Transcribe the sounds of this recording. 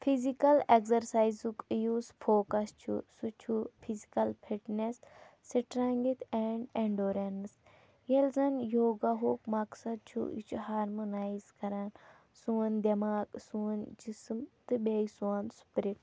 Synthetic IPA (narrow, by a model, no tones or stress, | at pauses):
pʰizikɐlekzɐɾsaːjzukjuːzfʰoːkɐst͡ʃʰṵsut͡ʃʰupʰizikɐlpʰiʈnesː | iʈɾaŋɡit̪eːɳɖeɳɖoːɾens | jelzɐnjoːɡaɦoːkmɐksɐd̪̚t͡ʃʰṵḭt͡ʃʰuɦaːɾmonaːjzkɐɾan | suːɐnd̪ɐmaːksuɐnd͡ʒismt̪ɨbeːjsaːnsu̥pɾiʈ